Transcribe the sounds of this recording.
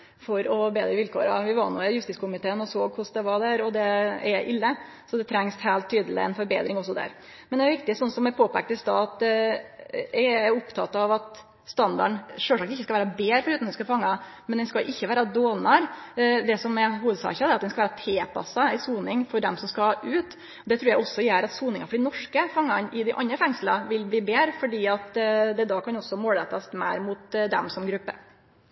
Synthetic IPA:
fɔɾɔbeːd̪ɾəʋɪlkʰo̰ːɾɑʋɪʋɑnːʊæjʉst̪ɪskʊmɪt̪ʰeːənɔsoːɡkʊsd̪ɛʋɑɖ̪æɾɔd̪ɛɛʔɪlːə | sɔd̪ɛt̪ʰɾɛŋshæːlt̪ʰːyːd̪əlɪ̰ɛ̰nfɔɾbḛːd̪ɾɪŋɔs̬ːɔd̪æ̰ɾ | mɛnd̪ɛʋɪk̚t̪ɪsɔnsɔmɛpʰoːpæk̚t̪ɪst̪ɑːɑt̪̚ | ɛʊpt̪ʰɑt̪ɑʋɑt̪ | st̪ɑnd̪ɑ̰ɳʂøːlʂɑːkt̪ɪçːəskɑʋæːɾɑbeːɾfɔɾʉːt̪nɛnskɑfɑŋːɑ | mɛnd̪ɛnskɑʔɪçːəʋæːɾɑd̪oːnɑɾd̪ɛsɔmɛɦuːʋəd̪sɑ̰ːçɑd̪ɛɾɑt̪d̪ɛnskɑʋæːɾɑt̪ʰeːpʰɑ̰sɑɪsuːnɪŋfɔɖ̪ɛmsɔmskɑʉːt̪ | d̪ɛt̪ʰɾʉːɾjæɔsɔjæːɾɑt̪suːnɪŋɑfɔɖɪnɔʂkəfɑŋːɑnɪd̪ɪʔɑ̰nːəfɛŋslɑʋɪlbliːbeːɾfɔɖiːɑt̪d̪ɛd̪ɑːkʰɑnɔsːɔmoːlɛt̪ɑsmæ̰ɪɾmʊt̪d̪ɛ̰msɔmɡɾʉpːə̰

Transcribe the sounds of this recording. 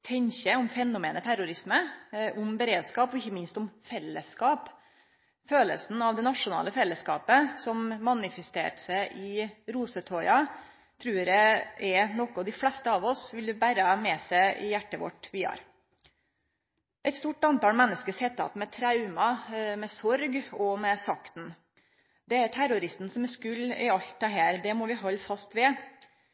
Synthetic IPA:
t̪ʰɛɲçəʊmfɛnːʊmeːnət̪ʰæɾʊɾɪsməʔʊmbəɾeːd̪skɑːpɔɪçːəmɪnst̪ʊmfɛlːə̰skɑːp | føːlə̰sn̩ɑʋd̪ɛnɑʂʊnɑ̰ːləfɛlːəskɑ̰ːpəsɔmmɑnɪfɛst̪ḛːʈsæɪʔɪɾuːsət̪ʰɔʏɑ | t̪ʰɾʉːɾɛɛnɔkəɔd̪ɪflɛst̪əɑːʋɔsʋɪld̪ɪbæɾəmɛsæɪʔɪ̰jæʈːəʋɔ̰ʈːʋɪɑ̰ːɾ | ʔɛɪt̪st̪uːʈɑnt̪ɑːlmɛnːəskəshɛt̪ːɑ̰t̪mɛt̪ʰɾɑʉmɑmɛsɔɾɡɔmɛsɑkt̪n̩ | d̪ɛæɾt̪ʰæɾʊɾɪst̪n̩sɔmɛskʉlːɪ̰ɑlt̪ʰːɑɦæːɾd̪ɛmɔʋɪɦɔlːfɑst̪ʋɛ

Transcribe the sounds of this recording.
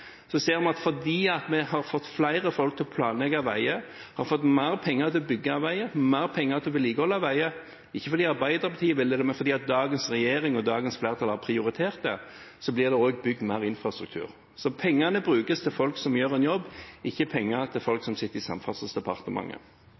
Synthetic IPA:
sɔseːɾmɛnɑt̪fɔd̪iːɑt̪mɛhɑɾfɔt̪ːflæɪʁəfɔlk̚t̪ʰɪlpʰlɑːnlɛɡɑʋæɪə | hɑɾfɔt̪ːmæɪʁpʰɛŋːəʁt̪ʰɪlbʏɡːəɑʋæɪəmæɪʁpʰɛŋːəʁt̪ʰɪɔʋɪliːkəhɔlːɑʋæɪə | ɪçːəfɔɾd̪iːɑɾbæɪd̪əɾpʰɑt̪ʰiːəʋɪld̪ɛd̪ɛmɛnfɔɾd̪iːɑt̪̚d̪ɑːɡənsʁɛjeːɾɪŋɔd̪ɑːɡənsflæːʁt̪ʰɑlhɑʁpʰɾɪʊɾɪt̪ʰeːʁt̪̚d̪ɛ̰sɔblɪʁd̪ɛoːɡbʏɡ̚d̪mæɪʁɪnfɾɑst̪ɾʉk̚t̪ʰʉ̰ːɾ | sɔpʰɛŋːɑnəbɾʉːkəst̪ʰɪlfɔlksɔmjøːʁɛnjɔbːɪçːəpʰɛŋːət̪ʰɪlfɔlksɔmsɪt̪ːəɾɪsɑ̰mfɑt̪səsd̪ɛpʰɑʁt̪əmʔɑ̰ŋːə̰

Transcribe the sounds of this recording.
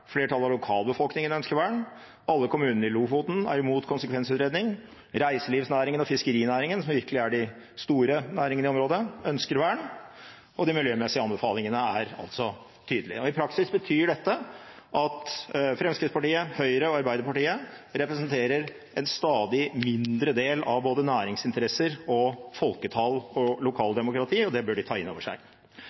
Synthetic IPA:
fleːʈʰɑlːɑʋlʊkʰɑːlbəfɔlknɪŋənœnskəɾʋæːɳ | ɑlːəkʰʊmʉːnənəɾɪluːɡfuːt̪n̩æ̰ɾɪmuːt̪kʰʊnsəkʰʋɛnsʉːt̪ɾeːd̪nɪŋ | ɾæɪsəliːʋsnæːɾɪŋənɔfɪskəɾiːnæːɾɪŋənsɔmʋɪɾkəlɪæɖɪ | st̪uːɾənæːɾɪŋənɪɔmɾoːd̪əœnskəɾʋæːɳ | ɔd̪ɪmɪljøːmɛsɪəɑnbəfɑːlnɪŋənəæɾɑ̰lt̪sɔ | t̪ʰyːd̪əlɪ̰ɔɪpʰɾɑksɪsbət̪ʰyːɖɛt̪ːəʔɑt̪fɾɛmskɾɪd̪spɑʈiːəhœʏɾəɔɑɾbæɪd̪əɾpɑʈiːəɾɛpɾəsnt̪ʰeːɾəɾ | ɛnst̪ɑːd̪ɪmɪnd̪ɾəd̪eːlɑʋboːd̪ənæːɾɪŋsɪnt̪əɾɛsːəɾɔfɔlkət̪ʰɑlɔlʊkʰɑːld̪ɛmʊkɾɑt̪ʰiːɔd̪ɛbœɖɪt̪ʰɑːɪnːo̰ːʋəʂæ̰ɪ

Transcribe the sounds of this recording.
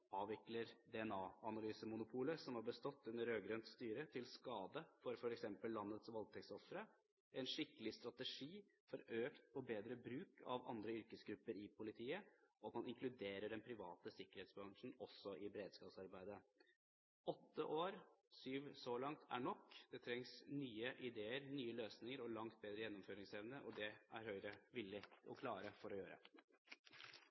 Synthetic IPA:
ɑːʋɪkləɾd̪ɛɛnɑːɑnɑlyːsəmʊnʊpʰuːləsɔmhɑɾbəst̪ɔt̪ʰːʉnːəɾøːɡɾœnt̪st̪yːɾət̪ʰɪlskɑːd̪əfɔɾfɔɾɛksɛmpəlːɑnːət̪sʋɑlt̪ʰɛksɔfɾə | ʔɛnʂɪkːəlɪst̪ɾɑt̪əʂiːfɔɾøːkt̪pɔbeːd̪ɾəbɾʉːkʰɑ̰ʋɑ̰nd̪ɾəʏɾkəsɡɾʉpːəɾɪpʰʊlɪt̪ʰiːəʔɔt̪mɑnɪŋklʉd̪eːɾəɖɛnpʰɾɪʋɑːt̪əsɪkːəɾeːt̪sbɾɑŋʂn̩ɔsːɔʔɪbɾeːd̪skɑːpsɑɾbæɪd̪ə | ɔt̪ːəʔoːɾsyːʋsɔlɑŋt̪ʰæ̰ɳɔkːd̪ɛt̪ʰɾɛŋsnyːəʔɪd̪eːəɾnyːəløːsnɪŋəɾɔlɑŋt̪̚beːd̪ɾəjɛnːɔmføːɾɪŋsɛʋnəʔɔd̪ɛʔæɾhœʏɾəʋɪlːɪɔ̰kʰlɑːɾəfɔɾɔjøːɾə̰

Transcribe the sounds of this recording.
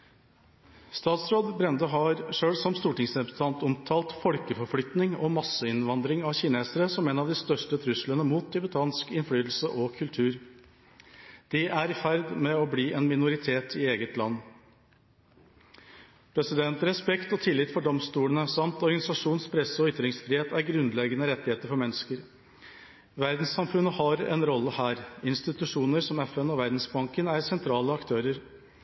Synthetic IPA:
st̪ɑːt̪sɾoːd̪bɾɛnd̪əɦɑɾʂøːɽsɔmst̪uːʈɪŋsd̪ɛp̪t̪ʰɑnt̪ɔmt̪ʰɑːlt̪fɔlkəfɔɾflʏt̪nɪŋɔmɑsːəɪnʋɑnd̪ɾɪŋɑçɪneːsəɾəsɔmeːnɑʋd̪ɪst̪œʂʈət̪ʰɾʉslənəmuːt̪̚d̪ɪbət̪ʰɑnskɪnfɽyːt̪l̩səʔɔkʰʉlt̪ʰʉːɾ | d̪̥ɪʔæɾɪfæɾd̪mɛɔbliːʔɛnmɪnʊɾɪt̪ʰeːt̪ʰɪeːɡət̪ʰlɑ̰nː | pʰɾɛsɪd̪ɛnt̪ɾɛspɛkt̪ɔt̪ʰɪlɪt̪fɔɖɔmst̪uːləɳəsɑmt̪ɔɾɡɑnɪsɑʂuːnspʰɾɛsəɔʏt̪ːɾɪŋsfɾɪheːt̪æɾɡɾʉnd̪lɛɡənəɾɛt̪ːɪheːt̪əɾfɔɾmɛnːəskəɾ | ʋæɾd̪n̩sːɑmfʉnəhɑɾɛ̰nɾɔlːəhæːɾɪnst̪ɪt̪ʉʂuːnəɾsɔmɛfɛnɔʋæɾd̪n̩sbɑŋkənæɾsɛnt̪ʰɾɑːləɑkt̪ʰøːɾəɾ

